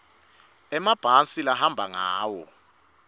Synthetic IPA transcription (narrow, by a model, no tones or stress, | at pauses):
ɛmab̥ʱasilahambʱaŋaːwɔ